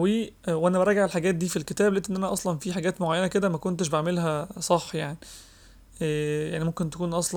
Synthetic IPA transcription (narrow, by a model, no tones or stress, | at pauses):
wiːwʔænæbɑɾˤɑːɡaʕelħaɡæːt̪̚d̪iːfilket̪æːblʔet̪ʔenːʔænæʔɑsˤlɑnfiːħaɡæːt̪moʕajːænæked̪æmækont̪eʃ̬beʕmelɦæsˤɑħːjaʕniː | jaʕnimomkent̪ekuːnʔɑsˤl